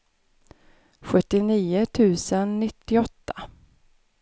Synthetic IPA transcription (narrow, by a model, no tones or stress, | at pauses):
ɧɵt̪ːɪniːʊt̪ʰʉ̟ːsənːɪt̪ːɪɔt̪ːḁ